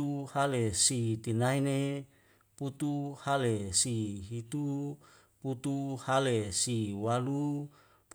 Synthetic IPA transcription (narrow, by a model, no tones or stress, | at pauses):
uhalesit̪inaine | put̪uhalesiɦit̪u | put̪uhalesiwalu | p